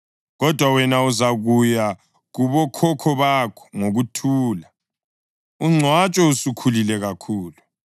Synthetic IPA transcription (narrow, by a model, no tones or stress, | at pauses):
ɣɔd̥ʱwawɛnauzaɣuja | ɣuβɔkʰɔkʰɔβakʰɔ̥ŋoɣutʰuːla | uŋ͡ǀʱwat͡ʃʼɔusukʰulilɛɣakʰuːlu